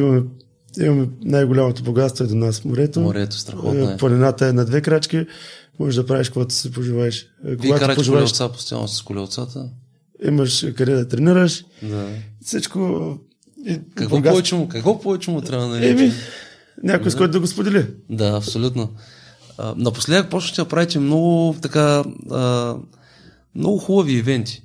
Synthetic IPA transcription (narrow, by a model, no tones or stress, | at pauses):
imɐmɛ | imɐmɛnajɡʊlʲamot̪oboɡat̪st̪voɛd̪onasfmoɾɛt̪omɾɛt̪o̥st̪ɾɐ̰xɔ̰ponɛnat̪əɛnɐd̪vɛkɾat͡ʃk̟ʲimɔʒɛʒd̪ɐpɾaviʃkoɡat̪ʊ̥sɛpoʒivaɛʃ | koɡat̪opoʒivaɛʃsapo̥st̪ja̰nosɐ̥skʊlʲɛt̪sat̪ə | ḭmɐʃkɐɾɛd̪ɐt̪ɾɛniɾəʃ | d̪asit͡ʃko | ikɐkɔɡɔvɛt͡ʃɛmʊkɐkvɔpɔvɛt͡ʃɛmʊt̪ɾʲavd̪nɐlɛmi | nʲakojsɔjt̪ʊd̪ɐɡospod̪ɛlʲid̪aɐpsolʲut̪no | ə̰nɐpo̥slɛpɾɔsnot̪ʲɛd̪ɐpɾavit̪ʲɛmnɔɡʊt̪ɐkaə | mnɔɡʊxubəviːvɛnt̪ʲi̥